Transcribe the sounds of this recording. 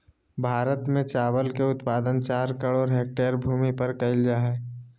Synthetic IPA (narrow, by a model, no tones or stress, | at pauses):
bʱaːɾət̪mẽt͡ʃaːʋəlkeʊt̪paːd̪ənt͡ʃaːɾkəɽoːɾɦeːk̚ʈeːəɾbʱuːmipɐɾkɐɪld͡ʒaːɦɛː